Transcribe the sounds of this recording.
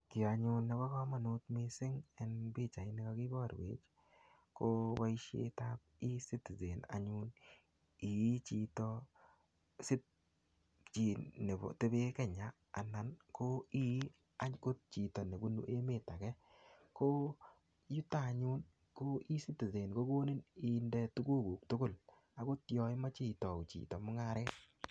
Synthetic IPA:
kɪ˨a˨ɲʊ˨nːɛ˨kɔ˦kɔ˦ma˨no˦tme˦sɪ˦ŋɛ˨nbi˦t͡ʃa˨ɪ˦nɪ˦kɔ˦kɪ˦bɔ˦˨ɾwḛ˨t͡ʃ | ko˦ba˦i˦ʃḛ˦ta˦p̚i˦si˦ti˨ze˨na̰˨ɲu˦n | i˨˦t͡ʃi˨tɔ˦ | sɪ˦t | t͡ʃi˨ne˨bɔ̰˨te˦be˦kɛ˨ɲaː˨na˨nko˦i˦ | a˦ɲko˦t̚t͡ʃi˨tɔ˨ne˨bu˦nṵ˦ʔe˦me˨ta˨kɛ˦ | ko˦ | ju˦ta˦˨ɲu˦n | ko˦i˦si˦ti˨ze˨nko˦ɡo˦ni˦ni˨ndɛ˦tʊ˦ɡo˦ɡu˨k̚tʊ˦kʊ˦˨l | a˨ko˦tjɔ˨ɪ˦ma˦t͡ʃi˦˨tɔ˨ʊ˨t͡ʃḭ˨tɔ˨mʊ˦ŋa˦ɾɛ˦t̚

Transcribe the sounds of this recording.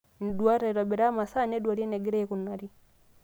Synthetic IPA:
n̩˨dwa˦ɾa˨ɾɔ˨bɛ˨ɾa˦ma˨sa˦nɛ˦dwa˨ɾi˦ɛ˦nɛ˨ɡɛ˦ɾɛ˦ku˨na˨ɾi˦

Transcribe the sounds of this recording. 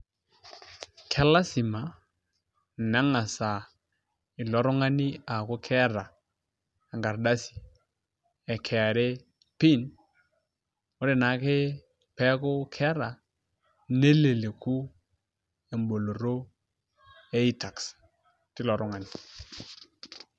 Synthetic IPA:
kʰɛ˦la˦si˨ma˨ | na˦ŋa˨sa˨ | ɪ˨lɔ˨ɾɔ˦ŋa˦ni˦a˨kʊ˦kʰɛ˦ɾa˨ | a˨ŋɡa˨ɾda˦si̥˨ | ɛ˨kʰɛ˨a˨ɾe˦ | pi˦n | o˦ɾe˨na˨˦kɪ˦ | pɛ˦kʊ˦kʰɛ˦ɾa˨ | ne˦le˨le˨ku˦ | e˨mbo˨lo˨ɾo˦ | e˦i˦ta˨ks | ti˦lɔ˨ɾɔ˦ŋa˨ni˨

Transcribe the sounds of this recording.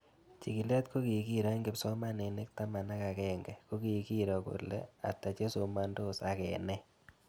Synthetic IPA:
t͡ʃi˨ki˨lɛ˦tko˦ki˨ki˦ɾa˦ŋɡɪ˨psɔ˦ma˦ne˨ne˦k̚ta˦ma˨na˦ka˨kɛ˦˨ŋɡɛ˨ko˦ki˨ki˦ɾɔ˨ko̰˨lḛ˦a̰˨ta˨t͡ʃe˦so˨ma˦ndo˦sa˨kɛ˨nɛ˦

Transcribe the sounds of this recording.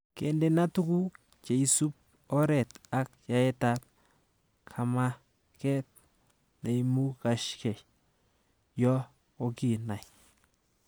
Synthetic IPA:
kḛ˨nde˨na˦tu˦ku˦ | t͡ʃe˨i˨su˦p̚ | ɔ˦ɾɛ˨ta˨k̚ja˨ɛ˦ta˦p̚ | kʰa˨ma˦ | kɛ˦t̚ | ne˨imu˦ka˨ʃkɛ˨j | jɔ˦ | o˦ki˨na˨j

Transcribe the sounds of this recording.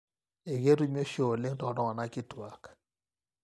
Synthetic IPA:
e˨ɡe˦ɾu˦mi˦o˦ʃo˨le˦ŋtɔ˨dɔ˦ŋa˨na˦kɪ˦twa˨k

